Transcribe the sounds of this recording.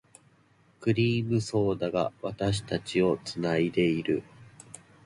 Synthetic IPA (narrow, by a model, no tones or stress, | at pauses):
kɯ̟ɾʲiːmɯ̟so̞ːd̪aɡa̰βat̪aɕ̬i̥t̪at͡ɕio̞t͡sɨnaid̪e̞iɾɯ̟